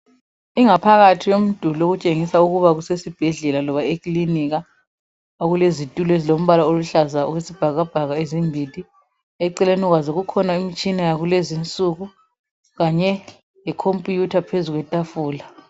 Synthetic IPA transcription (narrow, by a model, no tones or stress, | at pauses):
iŋapʰaɣatʰiwom̩d̥ʱuloɣut͡ʃʼeŋisauɣuβaɣusesib̥ʱɛɮɛlalɔβaekliniɣa | oɣulezitʼulezilom̩βalaoluɬazaṵɣwesib̥ʱaɣab̥ʱaɣaezimbʱitʼi | ɛǀɛlenuɣwazoɣukʰɔnaimit͡ʃʼinajaɣulezint͡sʼuɣu | ɣaɲɛ | jɛkʰompʼjutʰapʰezuɣwɛtʼafuːla